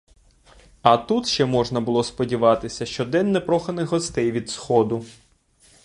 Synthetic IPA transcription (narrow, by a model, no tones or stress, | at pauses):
ɐt̪ut̪ʃt͡ʃɛmɔʒnɐbʊlˠɔspɔdʲiʋɑt̪ɪsʲɐʃt͡ʃɔd̪ɛnːɛpɾɔxɐnɪxɦɔst̪ɛjʋʲid̪sxɔd̪ʊ